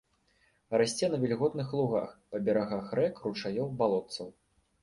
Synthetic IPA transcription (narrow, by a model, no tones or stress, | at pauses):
rasʲt͡sʲɛnɐvʲɛlʲɣɔt̪nɨxlˠuɣa̰xpɐbʲɛɾaɣaxrɛkrut͡ʂajɔwbalˠɔt̪sɐw